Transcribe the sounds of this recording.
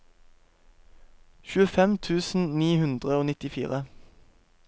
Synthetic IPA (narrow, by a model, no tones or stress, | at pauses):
çʉːəfɛmt̪ʰʉːsn̩niːhʉnd̪ʁəoːnɪt̪ɪfḭːʁə